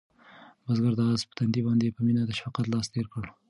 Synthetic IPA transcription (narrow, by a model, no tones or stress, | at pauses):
bazɡaɾd̪ɑɑzpə̥t̪and̪ibɑnd̪epəminad̪əʃfɑqat̪lɑst̪eɾkəɽ